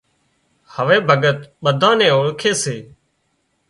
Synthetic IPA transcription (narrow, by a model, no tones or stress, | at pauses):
həʋeːbʱəɠət̪ɓəd̪ʱãːnɛ̃ːoɭkʰeːseː